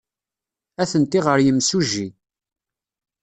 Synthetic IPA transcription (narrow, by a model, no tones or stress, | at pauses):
æθənt̪iʁəɾjəmsuʒi